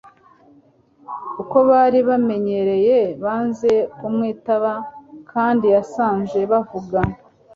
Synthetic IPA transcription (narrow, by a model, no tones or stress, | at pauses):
uko̞βaɾiβame̞ɲe̞ɾe̞je̞βaːnze̞kumŋiːtaβakʰaːndijasaːnze̞βavuɡa